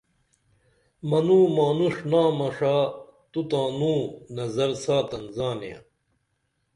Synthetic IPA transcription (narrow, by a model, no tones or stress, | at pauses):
mɐnũːmaːnuʂnaːmɐʂaːt̪ut̪ãːnũːnɐzɐɾsaːt̪ɐnzaːneã̰